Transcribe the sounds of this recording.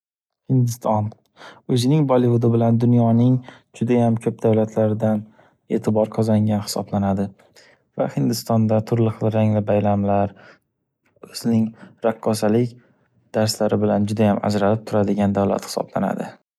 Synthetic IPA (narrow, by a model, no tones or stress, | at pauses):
hɪnd̪ɪst̪ʰɒn | ɵzɪnɪŋbɒlivʊd̪ɪbɪland̪ʊnjɒnɪŋd͡ʒʊd̪ajamkʲʰɵp̚d̪awlat̪ʰlaɾɪd̪an | e̞̰ːt̪ʰɪbɒɾqʰɒzaŋʲanhɪ̥sɒ̰blanad̪ɪ | vahɪnd̪ɪst̪ɒnd̪at̪ʰʊɾlɪχɨlˠɾaŋlɪbajlamlaɾ | ɵz̥ɪnɪŋɾaqːɒsalɪkʲ | d̪̥aɾslaɾɪbɪland͡ʒʊd̪ajama̰d͡ʒɾalɪp̚t̪ʰʊɾad̪ɪɡʲand̪awla̰t̪hɪ̥sɒ̰bla̰na̰d̪ɪ̰